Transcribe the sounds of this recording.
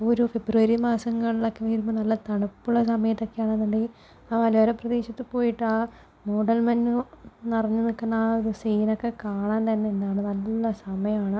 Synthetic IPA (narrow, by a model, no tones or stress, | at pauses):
oɾufebruɐɾimaːsɐŋːɐɭilokːeʋiːɾumɨnɐlːɐt̪ɐɳɐpːuɭːɐsɐmɐjɐt̪ːo̞kːeaːɳenːuɳɖi | aːʋɐloːɾɐprɐðeːɕɐt̪ːɨpo̞ːjiʈːaː | moːɖɐlmɐnːunirɐɲːɨnikːɐnːaːoɾusiːnokːe̞kaːɳaːnt̪ɐnːeːnːaːɳɨnɐlːuuɭːɐsɐmɐjɐmaːɳɨ